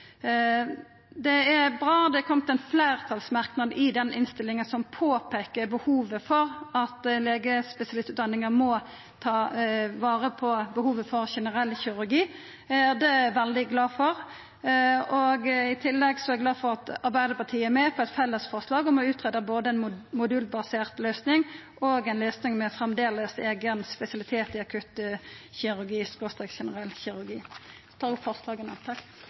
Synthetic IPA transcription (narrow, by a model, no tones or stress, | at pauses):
d̪ɛæʁbʁɑːd̪ɛkʰɔmət̪ɛnfleːʁt̪ʰɑlsmɑʁknɑd̪ɪd̪ɛnɪnst̪ɪlːɪŋənsɔmpʰoːpʰeːkəbəhuːʋəfɔɾɑt̪leːɡəspɛsɪɑlɪst̪ʉːt̪d̪ɑnːɪŋəʁmɔ | t̪ʰɑːʋɑːʁəpʰɔbəhuːʋəfɔʁʃɛnəʁɛlːçʏɾʉɾɡiː | æɾd̪ɛʋɛld̪ɪɡlɑːfɔɾ | oɡɪt̪ʰɪlːɛɡsɔæɡlɑːfɔʁɑt̪ɑɾbæɪd̪əpɑt̪ʰiːəæɾmɛːpʰɔɛt̪fɛlːəsfɔʁslɑːɡɔmɔʉːt̪ʰʁeːd̪əboːd̪əɛnmʊd̪ʉːlbɑseːʁt̪løːsnɪŋʔoɡɛɪnløːsnɪŋmɛfʁɛmd̪eːləseːɡənspɛsɪɑlɪt̪ʰeːt̪ɪɑkʰʉt̪çɪɾʉʁɡiːspost̪ɛkʃɛnəʁɛlçɪɾʉʁɡiː | t̪ʰɑːfɔʁslɑːɡənɛt̪ʰːɑk